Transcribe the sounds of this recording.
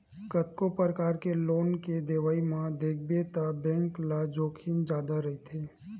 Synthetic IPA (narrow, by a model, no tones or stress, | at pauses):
kət̪kopəɾəkaːɾkeloːnked̪eːʋaːimãd̪eːk̚ʰbet̪abɛ̃ːŋklad͡ʒoːkʰind͡ʒaːd̪aɾɐɦit̪ʰeː